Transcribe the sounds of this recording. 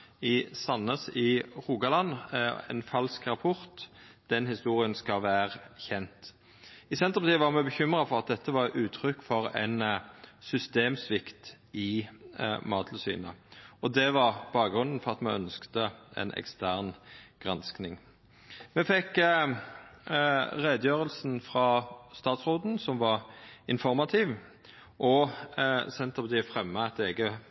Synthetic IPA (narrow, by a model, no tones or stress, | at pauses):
ɪsɑnːəsɪʁuːɡɑlɑnɛ̰nfɑlskʁɑpʰʊʁt̪d̪̥ɛnhɪst̪uːɾɪənskɑʋæːʁəçɛnt̪ | ɪsɛnt̪əpɑt̪iːʋɑʁmɛbəçʏmʁɑfɔʁɑt̪̚d̪ɛt̪ːəʋɑʁʉːt̪ʰʁʏkːfɔɾɛ̰nsʏst̪eːmsʋɪkt̪ | ɪ | mɑːt̪ʰlsy̰ːnə̰ɔd̪ɛʋɑʁb̥ɑːkɡʁʉnd̪n̩fɔʁɑt̪mɛœnskt̪əɛ̰nɛ̰kst̪æːʁnɡ̥ʁɑnsknɪŋ | mɛfɛkː | ʁeːd̪əjøːʁəlsn̩fʁɑːst̪ɑːt̪sʁoːd̪n̩sɔmʋɑʁɪnfɔʁmɑt̪ʰɪʋ | ʔɔ | sɛnt̪əpɑt̪iːfʁɛmːəæt̪eːɡə